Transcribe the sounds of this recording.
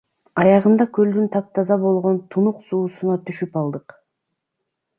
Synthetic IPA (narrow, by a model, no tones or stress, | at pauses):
ɑjɑʁɯnd̪ɑkø̞ld̪ynt̪ʰɑp̚t̪ʰɑzɑβo̞lˠʁo̞nt̪ʰunuqsuːsunɑt̪yʃypɑlˠd̪ɯq